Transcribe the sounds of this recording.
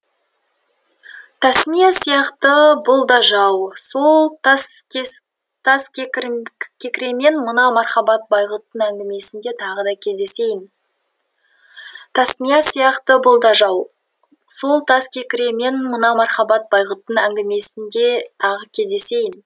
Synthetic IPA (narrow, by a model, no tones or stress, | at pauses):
t̪ʰæsmijɑsijɑqt̪əbʊlˠd̪ɑʒɑwsolˠt̪sʲ | t̪ʰɑskʲɾkʲʰekʲɪɾe̞me̞nmənɑmɑɾχɑbɑt̪̚bɑjʁət̪ːənæŋɡʲɪme̞sɪnd̪e̞t̪ʰɑʁəd̪ɑkʲʰe̞zd̪e̞se̞jɪn | t̪ʰæsmijɑsijɑqt̪əbʊlˠd̪ɑʒɑw | so̞lˠt̪ʰɑskʲʰe̞kʲɪɾe̞me̞nmənɑmɑɾχɑbɑt̪̚bɑjʁət̪ːənæŋɡʲɪme̞sɪnd̪e̞t̪ʰɑʁəkʲʰe̞zd̪e̞se̞jɪn